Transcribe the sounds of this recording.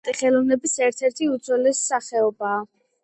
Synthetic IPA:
t̪ʼiχɛlɔvnɛbisɛɾt̪ʰɛɾt̪ʰiut̪zʰɛlɛsːaχɛɔbaː

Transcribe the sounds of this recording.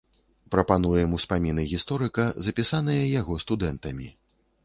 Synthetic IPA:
pɾɐpanujɛmuspamʲinɨɣʲist̪ɔɾɨkɐzɐpʲisan̪ɐjɐjaɣɔst̪ud̪ɛnt̪ɐmʲi

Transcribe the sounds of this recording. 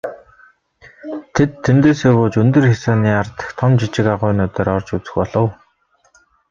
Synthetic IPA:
t̪ʰet̪ʰːemt̪eːseːɣoːt͡ɕɵnt̪ɵ̆rxesɔːniːart̪ə̥̆xt̪ʰɔmt͡ɕit͡ɕɪ̆kaʁʊːnʊːt̪ɔːɾɔrt͡ɕut͡sɘ̆xpɔɮə̆w

